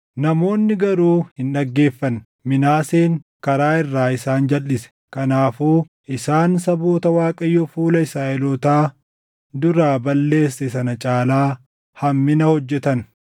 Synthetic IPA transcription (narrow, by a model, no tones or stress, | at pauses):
nɐmo̞ːnːɪɡɐɾuːhɪnɗɐɡːe̞ːfːɐn | mɪnaːseːŋkɐɾaːɪrːaːɪsaːnd͡ʒɐlːɪsɛ̥ | kɐnaːfuː | ʔɪsaːnsɐboːt̪ɐwaːkʼɐjːofuːlɐɪsaːʔɛlɔːt̪aː | d̪ʊɾaːbɐlːe̞ːsːɛsɐnɐt͡ʃʼaːlaː | hɐmːɪnɐhɔd͡ʒːɛt̪ɐn